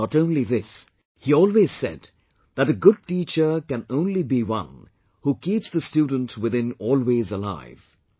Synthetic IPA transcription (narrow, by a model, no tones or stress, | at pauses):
ɔɾõʊ̃nliðɪs | hiɔːlˠwez̥sɛ̰d̪̚ | ðəɾɨɡʊd̚tiːt͡ʃə˞kɨ̃nõʊ̃nlibiwʌ̰̃n | hukiːpsðəstjuːdⁿn̩tʰwɪðɪ̃nɔːlˠwezəla̰ɪv̥